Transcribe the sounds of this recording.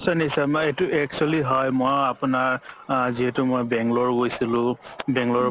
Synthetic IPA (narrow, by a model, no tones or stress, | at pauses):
sanisametuʔɛk̚t͡ʃualiɦɔjmojapʊnaɹziɦɛtumojbɛŋɡlɔɹɡojsilʊ̃bɛŋɡlɔ